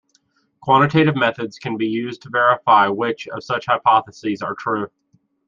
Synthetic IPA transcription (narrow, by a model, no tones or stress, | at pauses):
kʰw̥ɑ̃ñɨtʰeɪɾɨvmɛθɨdz̥kʰɨ̃nbijʉztʰəvɛɹəfaɪwɪt͡ʃʌ̰v̥sʌt͡ʃhaɪpʰɑθəsizə˞tʰɹ̥ʉ